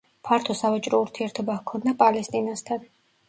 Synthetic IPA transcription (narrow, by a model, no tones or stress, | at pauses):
pʰaɾt̪ʰɔsavat͡ʃʼɾɔuɾt̪ʰiɛɾt̪ʰɔbakʰɔnd̪apʼalɛst̪ʼinast̪ʰan